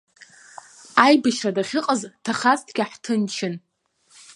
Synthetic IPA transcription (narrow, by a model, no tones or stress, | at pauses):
ajbɨʃradaχʲɪqʼaztʰaχastʰɡʲaħtʰɨnt͡ʃʰɪn